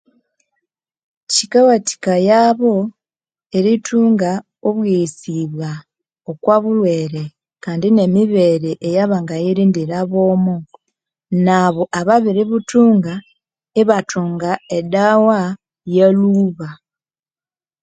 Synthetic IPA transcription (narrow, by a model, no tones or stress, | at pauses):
cikawati̥kajaːβo̞ | e̞ɾitʰuːŋɡa | oβwisiβwa | okwaβulwe̞ːɾe̞ | kaːndine̞miβe̞ːɾeʔejaβaŋɡajeɾiːndiɾaβo̞ːmu | naβo̞ʔaβaβiɾiβutuːŋɡa | eβatuːŋɡaedawa | jeluːβa